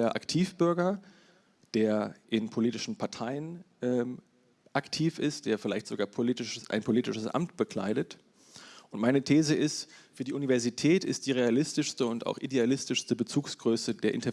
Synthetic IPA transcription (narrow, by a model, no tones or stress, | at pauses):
ɐʔa̰ktʰiːfb̥ʏɐɡɐ | d̥eːɐʔɪnpʰoliːtɪʃn̩pʰaɐtʰaɪənʔɛ | ʔaktʰiːfɪstd̥eːɐfɪlaɪçtz̥oɡaːɐpʰoliːtɪʃəsʔa̰ɪnpʰoliːtɪʃəsʔa̰mt̚b̥əkʰl̥a̰ɪɾət | ʔʊntmaɪnətʰeːzəʔɪstfyːɐdiːʔunivɛɐzitʰɛːtɪ̰st̚d̥iːʁealɪstɪʃstəʊnta̰ʊxʔḭdealɪstɪʃstəbət͡suːksɡ̥ʁøːsədeːɐʔɪ̰ntɐ